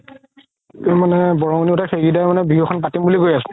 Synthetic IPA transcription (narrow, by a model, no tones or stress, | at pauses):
emanɛbɔɹɔŋniʊtaxeɡidajmanɛbiɦɔxʰɔnpatimbuliɡojasɛ̥